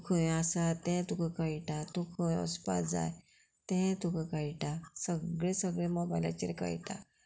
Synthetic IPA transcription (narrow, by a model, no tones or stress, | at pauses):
kʰəasat̪ɛ̃t̪ukakaiʈat̪ukʰə̃ɔ̰spad͡za̰j | t̪ɛ̃t̪ukakajiʈasəɡɭẽsəɡɭẽmɔbajla̰t͡ɕeɾka̰iʈa̰